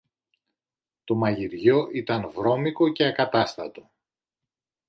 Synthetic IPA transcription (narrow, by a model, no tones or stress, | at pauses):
t̪o̞mɐʝiɾʝo̞ʔit̪ɐnvɾo̞miko̞ce̞ɐkɐt̪ɐst̪ɐt̪o̞̥